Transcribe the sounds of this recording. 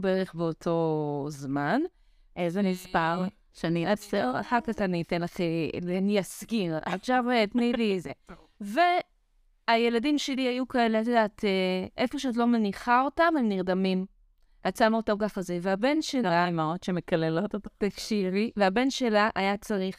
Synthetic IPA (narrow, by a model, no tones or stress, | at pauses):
beʁeχbeotʰo̞zman | ʔezemispaʁ | ʃeaniefseʁa̰ħakatanitenlaχeleanijaskiʁa̰tʃavetniblize | ve̞ | aje̞ladimʃe̞liajukaeleat̬odaːtʰeʔefo̞ʃeatlo̞meniχao̞tamhemniʁd̪amim | at͡samotakaχazeveabe̞nʃelaamaotʃeme̞kalelo̞tottafʃiʁiveabe̞nʃe̞laʔajat͡saʁiχ